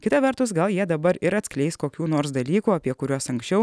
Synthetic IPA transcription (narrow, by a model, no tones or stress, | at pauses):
kʲɪt̪ɐʋʲɛɾt̪ʊsɡɐlˠjiɛd̪ɐbɐɾɪɾɐt̪sʲklʲɛɪskoːkʲuːnoːɾsd̪ɐlʲiːkuːɐpʲiɛkʊɾʲoːsɐŋksʲt͡ʃʲɛʊ